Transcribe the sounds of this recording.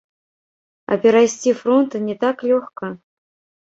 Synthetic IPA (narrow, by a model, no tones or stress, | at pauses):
ɐ̰pʲɛɾajsʲtʲifɾont̪ɨnʲɛt̪aklʲoxkə